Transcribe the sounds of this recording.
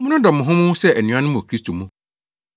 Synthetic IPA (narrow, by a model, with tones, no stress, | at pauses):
mʊ̃˦nʊ̃˦dɔ˨mʊ̃˨ɦʊ̃˦mʊ̃˦sɛ˦ɛ˨nɪ̃˨ã˦nʊ̃˦mũ˨kʰɾi˦stʰo˨mũ˦